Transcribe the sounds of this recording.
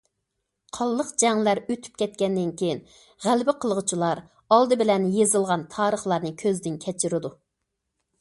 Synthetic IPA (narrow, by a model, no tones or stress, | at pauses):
qʰɑlˠːəqd͡ʒɛŋlæɾøt̪ʰy̥p̚kʲʰɛt̪̚kʲɛnd̪ɪnkʲʰejin | ʁælbɪqʰəlˠʁʊt͡ʃʰilˠɑɾ | ɑlˠd̪ɨbɪlɛnjezɨlˠʁɑnt̪ʰɑːɾəχlˠɑɾnɨkʲʰøzd̪ɪnkʲʰɛt͡ʃʰɪɾɪd̪u